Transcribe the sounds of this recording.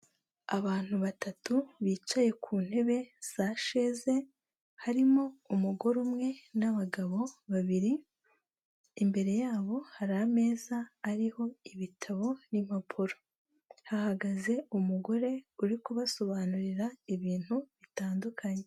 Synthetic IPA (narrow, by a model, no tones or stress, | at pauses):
aβaːn̥huβatatuβiːt͡ʃaje̞kʰuːn̥he̞βe̞z̥aʃe̞ze̞ | haɾimo̞umuɡo̞ɾumŋe̞naβaɡaβo̞βaβiɾi | imbe̞ɾe̞jaːβo̞haɾame̞ːzaːɾiho̞iβitʰaβo̞nim̥hapʰuɾo | hahaɡaze̞umuɡo̞ɾe̞uɾikuβaso̞βaːnuɾiɾaiβiːn̥huβitaːndukʰaɲe̞